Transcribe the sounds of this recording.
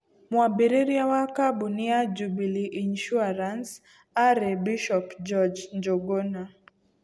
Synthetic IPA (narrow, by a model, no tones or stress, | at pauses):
mwabiɾiɾiawakabuniad͡ʒubiliʔinʃuaɾans | aɾɛbiʃɔpd͡ʒɔd͡ʒɲd͡ʒɔɡɔna